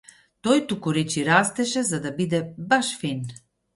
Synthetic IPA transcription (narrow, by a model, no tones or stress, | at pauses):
t̪ɔjt̪ukuɾɛt͡ʃiɾast̪ɛʃɛzad̪abid̪ɛbaʃfin